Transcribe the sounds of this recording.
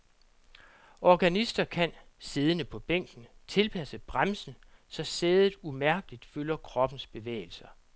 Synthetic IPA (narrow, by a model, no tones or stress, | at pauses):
ʔɒɡ̥ænisd̥ɐkʰænse̝ðˠənəpʰɒ̽b̥eŋ̰ɡ̥n̩t͡sʰe̝lpʰæsəb̥ʁamsn̩ | sɒ̽seːðˠð̩ˠumæɐɡ̥əlid̥følɐkʰʁɒ̽b̥n̩sb̥e̝ʋḛːɪl̩sɐ